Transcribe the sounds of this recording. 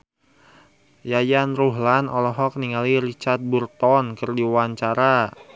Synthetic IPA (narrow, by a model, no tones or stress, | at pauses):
jajanruɦlanɔlɔɦɔk̚niŋaliɾit͡ʃart̪̚burt̪ɔnkɨrdiwaɲt͡ʃaɾa